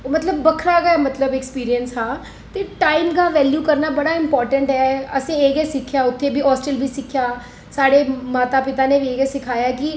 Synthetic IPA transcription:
mət̪ləbːəkʰɾaːɡɛːmət̪ləbɛkspiːɾiənsɦãː | t̪eːʈaːimɡaːʋɛːljuːkəɾnaːbəɽaːɪmpɔːɾʈəɳʈɦɛːəsĩːeːɡɛːsɪkʰːjaːʊt̪ʰːeːbʱiːɔːsʈəlbiːsɪkʰːjaː | saːɽeːmaːt̪aːpɪt̪aːneːʋiːeːɡɛːsɪkʰaːjaːkɪ

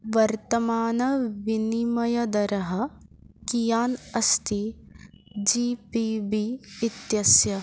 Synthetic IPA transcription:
ʋɐɾt̪ɐmaːnɐʋinimɐjɐd̪ɐɾɐɦɐ̆ | kijaːnɐst̪i | d͡ʒiːpibiit̪jɐsjɐ

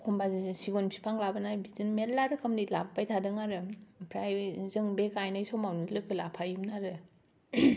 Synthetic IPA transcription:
kʰɔmbazsiɡonpʰi̥pʰaŋlabɯnajbizɯnmetlaɾɯkʰɯmnilabbajtʰadɯŋaɾɯpʰɾajzɯŋbekajnajsɔmawnilɯkɯlapʰajumnaɾɯ

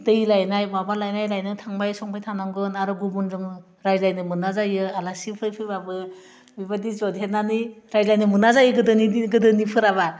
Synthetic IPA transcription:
dɯjlajnajmabalajnajlajnɯtʰaŋbajsɔŋbajtʰanaŋɡɯnaɾɯɡubunzɯŋ | ɾajlajnɯmɯnazajɯalasipʰɯjpʰɯjbabɯ | bibadizɔdɦet̚naniɾajlajnɯmɯnazajɯɡɯdɯniɡɯdɯnipʰɯɾaβa

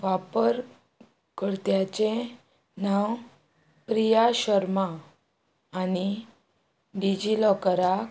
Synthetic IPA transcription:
ʋapəɾ | kəɽt̪jat͡ɕẽ | naw | pɾijaɕəɾmaː | ni | ɖid͡ʑilɔkəɾa

